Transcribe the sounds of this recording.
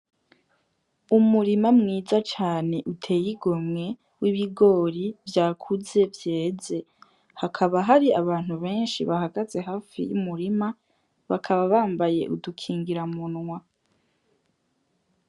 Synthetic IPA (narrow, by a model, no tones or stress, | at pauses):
umuɾimamŋiːzat͡ʃaːne̞ʔutʰe̞ːjiɡo̞mŋe̞ | wiβiɡo̞ːɾivjaːkʰuze̞vje̞ːze̞ | hakʰaβaɦaɾiaβaːn̥huβe̞ːnʃiβaɦaɡaze̞ɦaːfḭjṵmuɾima | βakʰaβaβaːmbaje̞̰ʔṵdukʰiːŋɡiɾamunŋwa